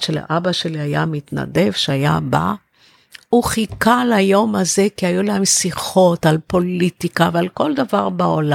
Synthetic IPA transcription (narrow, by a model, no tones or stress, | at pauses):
ʃela̰ʔabaʃe̞liaja̰mit̪na̰de̞vʃeaja̰ba̰ | uχikalajo̞maze̞kiajulaemsiχo̞talpo̞litikavalko̞ld̪avaʁbaola